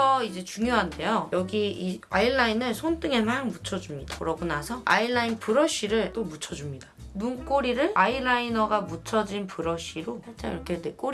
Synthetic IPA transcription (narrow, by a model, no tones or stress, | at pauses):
ʌid͡ʑe̞t͡ɕuŋjoɦande̞jojʌɡiiaiɭːainɯɭsʰont͈ɯŋemaŋmut͡ɕʰʌd͡ʑumɲid̥akɯɾʌbunasʰʌa̰ilːainpɯɾʌɕ͈iɾɯɭt͈omut͡ɕʰʌd͡ʑumɲidḁnunk͈oɾiɾɯɭailainʌɡamut͡ɕʰʌd͡ʑinpɯɾʌɕ͈iɾosʰat͡ɕ͈aiɾʌkʰedek͈o